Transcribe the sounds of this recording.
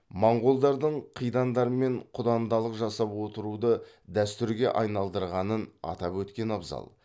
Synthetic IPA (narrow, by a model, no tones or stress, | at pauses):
mɑɴʁolˠd̪ɑɾd̪əɴqʰijd̪ɑnd̪ɑɾəme̞ɴqʰʊd̪ɑnd̪ɑlˠəqʒɑsɑpwo̞t̪əɾud̪ə | d̪æst̪ʏɾɡʲe̞̰ʔɑjnɑlˠd̪əɾʁɑnənɑ̰t̪ɑpwɵt̪kʲe̞nɑbzɑ̰lˠ